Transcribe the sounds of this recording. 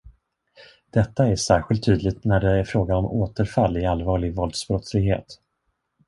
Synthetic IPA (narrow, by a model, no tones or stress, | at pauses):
d̪̥ɛt̪ːaæʂæːɾɧɪlt̪ʰːyːd̪lɪɡt̪næɖɛæɾfɾoːɡanɔmoːt̪əɾfalːɪalvɑːɭɪɡvɔld̪sbɾɔt̪slɪɡɦḛːt̪